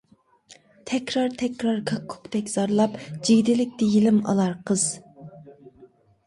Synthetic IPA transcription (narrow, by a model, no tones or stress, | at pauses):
t̪ʰɛkʲɾɑɾt̪ʰɛkʲɾɑɾkʰɑkʰːu̥kt̪ɛkʲz̥ɑɾlˠɑpd͡ʒiɡʲd̪ɪlɪk̚ʲt̪ɪjilɪmɑ̰lˠɑɾqʰəz̥